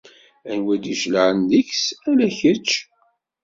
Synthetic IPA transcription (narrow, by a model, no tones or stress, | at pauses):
ænwæd̪iʃləʕənd̪içsælæçət͡ʃː